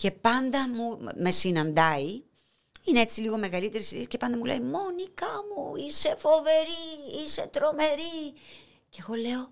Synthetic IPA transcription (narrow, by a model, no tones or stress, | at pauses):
ce̞pɐnd̪ɐmume̞sinɐnd̪ɐi | inee̞t͡siliɣo̞me̞ɣɐlit̪e̞ɾisiðisce̞pɐnd̪ɐmulḛimo̞nikɐmuise̞fo̞ve̞ɾiise̞t̪ɾo̞me̞ɾi | ce̞ɣo̞le̞o̞